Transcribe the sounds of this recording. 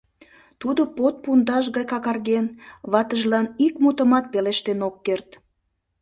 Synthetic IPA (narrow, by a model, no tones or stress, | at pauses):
t̪ud̪opot̪̚pund̪ɑʃɣɑjkɑkɑrɣenβɑt̪əʒlɑnikmut̪əmɑt̪̚peleʃt̪enokːert̪